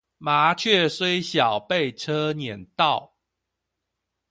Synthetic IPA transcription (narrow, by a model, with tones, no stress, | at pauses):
ma˨˦t͡ɕʰɥɛ˥˨swe˦ɪɕjɑ˨˩ʊpe˥˨ɪʈ͡ʂʰɤ˦njɛ˨˩nt̪ɑ˥˨ʊ